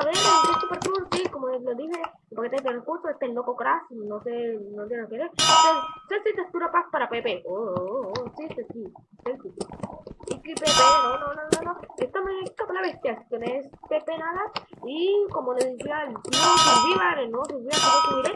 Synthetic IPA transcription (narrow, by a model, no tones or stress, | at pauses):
aβeɾet̪essupeɾsuɾsikomoloðise | elpaket̪et̪eokuɾsoest̪elːokokɾasinosenod̪iɾalokeɾeet̪eselsit̪est̪uɾapaspaɾapepeʔoosit̪esiselsisiiklipepenononononoest̪amek̪apolaβest̪jast̪oneespepenaðaikomoleðisialsjoselβiβaɾenosilβiβakakek̪eiɾe